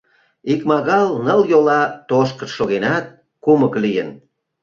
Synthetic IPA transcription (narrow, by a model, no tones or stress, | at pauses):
ikmɑɣɑlnəljolɑt̪oʃkə̆nʃoɣenɑt̪̚ | kuməklijən